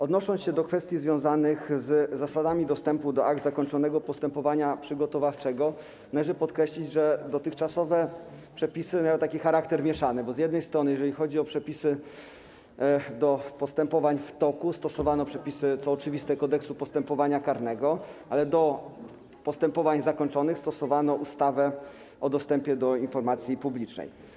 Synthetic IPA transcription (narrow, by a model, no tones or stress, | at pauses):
ɔd̪nɔʂɔnsɕɛd̪ɔkfɛst̪ʲjizvjɔ̃w̃zanɘxzzasad̪amʲid̪ɔst̪ɛmpud̪ɔʔa̰ɡ̚d̪zakɔɲt͡ʂɔnɛɡɔpɔst̪ɛmpɔvaɲapʂɘɡɔt̪ɔvaft͡ʂɛɡɔ | nalɛʐɛpɔt̪kɾɛɕlʲid͡ʑʐɛd̪ɔt̪ɘxt͡ʂasɔvɛpʂɛpʲisɘmʲjajɔ̃wt̪akʲixaɾakt̪ɛɾmʲjɛʂanɛbɔzjɛd̪nɛjst̪ɾɔnɘjɛʐɛlʲixɔd͡ʑiɔpʂɛpʲisɘ | d̪ɔpɔst̪ɛmpɔvaɲft̪ɔkust̪ɔsɔvanɔpʂɛpʲisɘt̪sɔːt͡ʂɘvʲist̪ɛkɔd̪ɛksupɔst̪ɛmpɔvaɲakaɾnɛɡɔalɛd̪ɔ | pɔst̪ɛmpɔvaɲzakɔɲt͡ʂɔnɘxst̪ɔsɔvanɔʔust̪avɛ | ʔɔd̪ɔst̪ɛmpʲjɛd̪ɔinfɔɾmat̪sʲjipublʲit͡ʂnɛ̰j